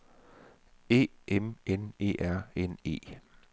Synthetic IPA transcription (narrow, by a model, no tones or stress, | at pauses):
e̝̰ːemene̝̰ːʔæɐ̰ene̝̰ː